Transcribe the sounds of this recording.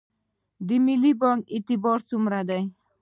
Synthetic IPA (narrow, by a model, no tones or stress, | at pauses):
d̪ɪmilibɔŋit̪ɪbɒɾsumɾad̪aj